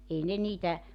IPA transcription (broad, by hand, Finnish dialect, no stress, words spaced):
ei ne niːtæ